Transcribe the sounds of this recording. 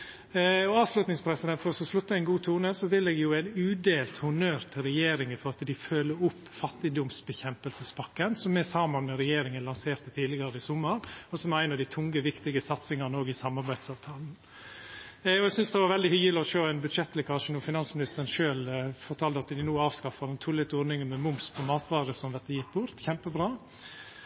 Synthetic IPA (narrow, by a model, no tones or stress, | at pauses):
ɔɑːʋslʉt̪nɪŋspʰɾɛsɪd̪ɛnt̪fɔɾɔsɔslʉt̪ːəɛɪnɡuːt̪ʰuːnəsɔʋɪlːɛɡ̪ɛjʊæɪnʉːd̪eːlt̪hʊnøːɾt̪ʰɪɾɛjeːɾɪŋəfɔɾɑt̪d̪ɪføːlːəɾʊpːfɑt̪ːɪd̪ʊmsbɛçɛmpəlsəspɑkːənsɔmɛsɑmənmɛɾɛjeːɾɪŋənlɑnseːɾt̪ət̪ʰiːd̪ɪɡɑɾəɪsʊmːəɾɔsɔmæɾæɪnɑʋd̪æɪt̪ʰʊŋəʋɪkt̪ɪɡəsɑt̪sɪŋɑnəoːɡɪsɑmːɑɾbæɪd̪sɑːʋt̪ʰɑːln̩ | ɔɛɡsʏnsd̪ɛʋɑɾʋɛld̪ɪhyɡəlɪɔʃøːæɪnbʉd̪ʃɛt̪ːlɪkɑʃənuːfɪnɑnsmɪnɪst̪əɾənʃøːlfɔɾt̪ʰɑːld̪əɑt̪d̪ɪnuːɑːʋskɑfɑnnt̪ʰʊlɪt̪ɔɾnɪŋəmɛmʊmspʰɔmɑːt̪ʋɑːɾəsɔmʋɛt̪ːəjɪt̪ːbʊɾt̪çɛmpəbɾɑː